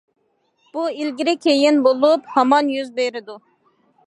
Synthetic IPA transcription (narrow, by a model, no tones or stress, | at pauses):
b̥uilɡʲiɾɪkʲʰejɪnbolˠuphɑmɑnjyzbeɾɪd̪u